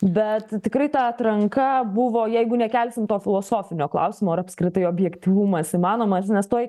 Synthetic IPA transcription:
bʲɛt̪t̪ʲɪkɾɐɪt̪ɑɐt̪ɾɐŋkɐbʊʋoːjɛɪɡʊnʲɛkʲælʲsʲɪmt̪oːfʲɪlˠoːsoːfʲɪnʲoːklˠɐ̰ʊsʲɪmoːɐɾɐpskɾʲɪt̪ɐɪoːbʲjɛkt̪ʲiʋumɐsimɑːnoːmɐsnʲɛst̪oːɪ

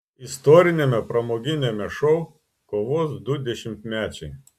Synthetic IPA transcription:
ɪst̪ɔːɾʲɪnʲemʲɛpɾɐmoːɡʲɪnʲemʲɛʃɔʊ | koːʋoːsd̪ʊd̪ʲɛʃʲɪmʲt̪mʲæːt͡ʃʲɛɪ

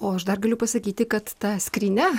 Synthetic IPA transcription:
oːɐʃd̪ɐrɡɐlʲʊpɐsɐkʲiːt̪ʲɪkɐt̪t̪ɐsʲkɾʲiːnʲɛ

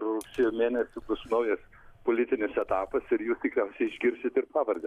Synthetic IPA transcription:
rʊksʲeːjoːmʲeːnʲɛsʲʊpʊsnɐʊjɛs | poːlʲɪt̪ʲɪnʲɪsɛt̪ɑːpɐsɪɾjuːst̪ʲɪkɾʲɛʊsʲɛɪɪʒʲɡʲɪɾʲsʲɪt̪ɪɾpɑːʋɐɾʲɡʲɐ

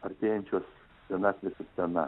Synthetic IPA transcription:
ɐɾʲt̪ʲeːjɛnʲt͡ʃʲoːs | t̪ʲɛnɑsʲʋʲɪsʲɪpʲt̪ʲɛnɐ̰

